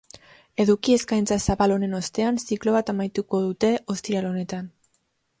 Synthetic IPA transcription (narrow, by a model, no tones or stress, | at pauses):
e̞ðukie̞skajnt͡sasaβalone̞no̞st̪e̞ansiklo̞β̞at̪amajt̪uko̞ðut̪e̞ʔo̞st̪ialo̞ne̞t̪an